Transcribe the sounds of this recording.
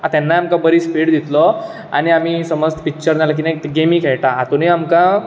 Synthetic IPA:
at̪ɛnːaamkãbəɾiːspiːɽd̪it̪lɔ | a̰ɽ̃iamiːsəməst̪ə̥pik̚t͡ɕəɾd͡zalak̬inaɡemiːkɛɭʈaat̪uneamkã

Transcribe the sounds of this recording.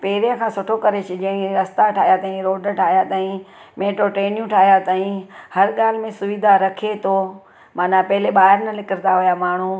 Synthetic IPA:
peːɾijə̃kʰãːsʊʈʰokɐɾet͡ʃʰɪd͡ʑɐ̃ɦĩɾɐst̪aʈʰaːɦijat̪ãːĩɾoːɖʈʰaːɦijat̪ãːĩ | mẽːʈoʈɾeːnijũʈʰaːɦijat̪aːĩhɐɾɠaːl̤ɪmẽsʊʋid̪ʱaɾɐkʰet̪ʰo | maːnapɐɦɪleɓaːɦɪɾnɐlɪkəɾnd̪aɦʊjamaːɳ̤ũ

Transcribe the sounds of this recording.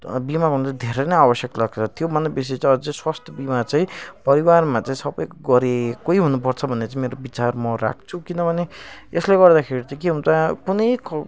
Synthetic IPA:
bimaʌnut͡sãd̪ʱeɾʌnʌjabʌsjʌklaɡ̚t͡sʰʌt̪jobʱʌnːʌbis̬et͡sãĩʌd͡zeswast̪ʰjʌbimat͡sãĩpʌɾiwarmat͡sãĩsʌbʌjkɡʌɾekoiɦunup̬ʌrt͡sʰʌbʱʌnːet͡saĩmeɾobit͡sarmʌra̰k̚ʰt͡sʰukinʌbʱʌneesleɡʌrd̪akʰeɾiaĩkeɦũnt͡sãkunʌjk

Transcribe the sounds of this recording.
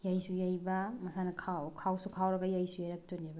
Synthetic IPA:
jajsujajbɐmɐsanɐkʰawkʰawsukʰawɾɐɡajajsujajɾak̚toneba

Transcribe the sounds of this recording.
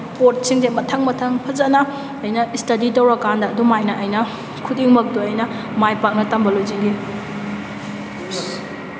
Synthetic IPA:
poɾt̚siŋdemɐtʰɐŋmɐtʰɐŋpʰɐzɐnɐː | jnɐistɐditɐwɾɐkandɐːdumajnɐʔɐjnɐ | kʰudiŋmɐk̚duɐjnɐ | majpak̚nɐtɐmbɐloziŋɡe

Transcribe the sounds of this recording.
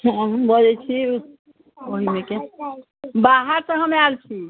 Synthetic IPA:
hɔ̃ɦbəd͡ʒɛt͡ʃʰi | oɦimeke | baɦəɾsə̃ɦəmealt͡ʃʰi

